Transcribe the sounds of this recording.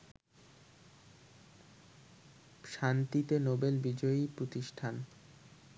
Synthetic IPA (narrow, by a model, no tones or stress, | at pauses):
ʃant̪it̪enobelbid͡ʑoipɾot̪iʃʈʰan